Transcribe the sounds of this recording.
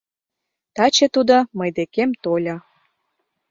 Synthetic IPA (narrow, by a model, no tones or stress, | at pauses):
t̪ɑt͡ɕet̪ud̪oməjd̪ekemt̪olʲɑ